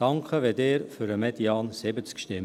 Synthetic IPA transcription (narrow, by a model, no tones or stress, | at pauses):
ɑŋkχəʋedeːɾfyɾəmɛd̪jɑːnsɪbət͡skʃtɪ